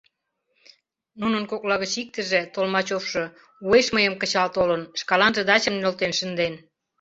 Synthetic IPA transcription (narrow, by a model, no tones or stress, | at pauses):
nunənkoklɑɣət͡ɕik̚t̪ə̆ʒĕt̪olmɑt͡ɕofʃɤ̆ | ueʃməjəmkət͡ɕɑlt̪olənʃkɑlɑnʒə̆d̪ɑt͡ɕəmnølt̪enʃə̆nd̪en